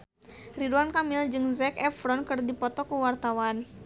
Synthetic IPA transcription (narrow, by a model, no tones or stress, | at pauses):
riduankamɪld͡ʒɨŋzɛkɛfɾɔnkɨrdipɔt̪ɔkəwart̪awan